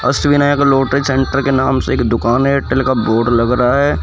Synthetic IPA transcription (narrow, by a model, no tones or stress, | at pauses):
ɐ̰sʋinaːjkloːʈɾisɛ̃ɳʈəɾkenaːmseːkd̪ʊkaːneːʈəlkaboːɾɖlɐɡɾɐɦaɦɛː